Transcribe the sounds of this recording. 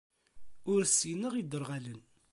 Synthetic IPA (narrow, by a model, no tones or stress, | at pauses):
ʊɾsinəʁid̪əɾˤʁælən